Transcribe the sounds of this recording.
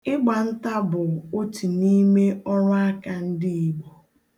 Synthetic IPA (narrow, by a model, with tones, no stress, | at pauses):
ɪ˦ɡ͡ba˨n̩˦ta˦bʊ˨o˦ti˨ni˦me˦ɔ˦ɾʊ˦a˦ka˦˨n̩˦dɪ˦i˨ɡ͡bɔ˨